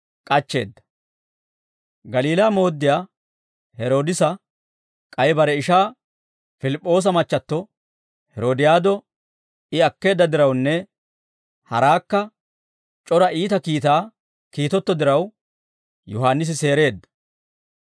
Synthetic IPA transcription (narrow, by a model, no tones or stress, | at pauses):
kʼɐt͡ʃːe̞̰ːd̪ːɐ̥ | ɡɐliːlaːmo̞ːd̪ːɪjaː | hɛɾo̞ːd̪ɪsɐ | kʼɐjbɐɾɛɪʃaː | fɪlɪpʼːo̞ːs̬ɐmɐt͡ʃːɐt̪ːɔ | hɛɾo̞ːd̪ɪjaːd̪ɔ | ɪɐkːe̞ːd̪ːɐd̪ɪɾɐwnːɛ | hɐ̰ɾaːkːɐ | t͡ʃʼɔɾɐiːt̪ɐkiːt̪aː | kiːt̪ɔt̪ːɔd̪ɪɾɐw | jɔɦaːnːɪs̬ɪse̞ːɾe̞ːd̪ːɐ̥